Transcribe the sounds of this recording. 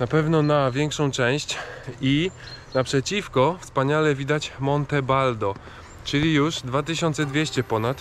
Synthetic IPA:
napɛvnɔnavʲjɛŋkʂɔ̃w̃t͡ʂɛ̃w̃ɕt͡ɕi | napʂɛt͡ɕifkɔfspaɲalɛvʲid̪at͡ɕmɔnt̪ɛbald̪ɔ | t͡ʂɘlʲijuʐd̪vat̪̬ɘɕɔnt̪sɛd̪vʲjeɕt͡ɕɛpɔnat̪

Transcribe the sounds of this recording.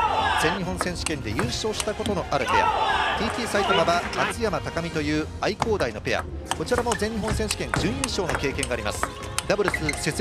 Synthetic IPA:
d͡zẽ̞ɲ̟ɲːiɦõ̞ɰ̃sẽɕi̥kẽ̞nd̪e̞jɯːɕo̞ːɕi̥t̪ako̞t̪o̞no̞ʔaɾɯ̟pe̞̰ja̰t̪ʲiːt̪ʲiːsait̪o̞mabamat͡sɨjamat̪akamʲit̪o̞jɯ̟ːaiko̞ːd̪aino̞pe̞ja̰ | ko̞t͡ɕiɾamo̞zeɲ̟ːiɦõ̞ɰ̃sẽ̞ɕi̥kẽ̞ɲd͡ʑɨ̃jɯ̃ːɕo̞ːno̞ke̞ːkẽ̞ŋɡaːɾʲima̰sɨ̥ | d̪abɯ̟ɾɯsɨse̞t͡s

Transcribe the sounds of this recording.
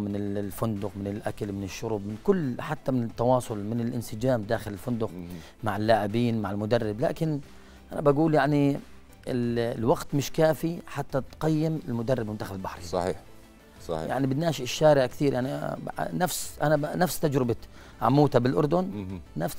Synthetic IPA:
mɪnɪlfʊnd̪ʊqmɪnɪlʔakalmɪnɪʃːʊɾʊːb̚mɪnkʊlːħat̪ːamɪnɪt̪ːɑwɑːsˤʊlmɪnɪlʔɪnsɪd͡ʒaːmd̪aːxɪlɪlfʊnd̪ʊq | maʕɪlːaːʕɪbiːnmaʕɪlmʊd̪arˤːɪbla̰ːkɪn | ʔanabaɡuːljaʕni | ɪllwaɡt̪mɪʃkaːfiħat̪ːat̪qɑjːɪmɪlmʊd̪arˤːɪbmɪnd̪aːxlɪlbaħɾisˤɑħḭːħ | sˤɑja̰ʕnibɪd̪naːʃɪʃːaːɾɪʕkt̪iːɾjaʕninafsʔananafst̪ad͡ʒɾɪba | ʕa̰muːt̪abɪlʔʊ̰ɾˤd̪ʊnnaf

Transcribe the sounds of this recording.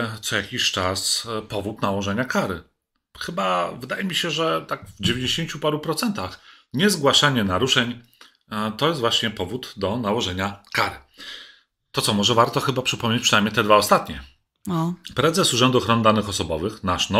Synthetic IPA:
t̪sɔjakʲiɕt͡ʂaspɔvut̪nawɔʐɛɲakaɾɘ̰ | xɘbavɘd̪ajɛmʲiɕɛʐɛt̪aɡvd͡ʑevʲjeɲd͡ʑʲeɕeɲt͡ɕupaɾupɾɔt̪sɛnt̪ax | ɲɛzɡwaʂaɲɛnaɾuʂɛɲ | t̪ɔjɛst̪vwaɕɲɛpɔvud̪d̪ɔnawɔʐɛɲakaɾɘ | t̪ɔt̪sɔmɔʐɛvaɾt̪ɔxɘbapʂɘpɔmɲet͡ɕpʂɨnajmɲɛt̪ɛd̪vaɔst̪at̪ɲɛ | ɔpɾɛzɛsuʐɛnd̪uɔxɾɔnɘd̪anɘxɔsɔbɔvɘxnaʂnɔ

